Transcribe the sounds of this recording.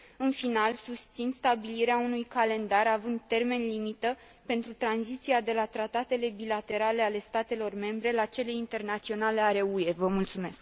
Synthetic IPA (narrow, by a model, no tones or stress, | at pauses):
ɨnfinalsust̪sinst̪abiliɾeaunujkale̞nd̪aɾavɨnd̪̚t̪e̞rme̞nlimit̪ə | pe̞nt̪ɾut̪ɾanzit̪siad̪e̞lat̪ɾat̪at̪e̞le̞bilat̪e̞ɾale̞ale̞st̪at̪e̞lo̞rme̞mbɾe̞lat͡ʃe̞le̞int̪e̞rnat̪sio̞naleaɾe̞ue̞vəmult̪sume̞sk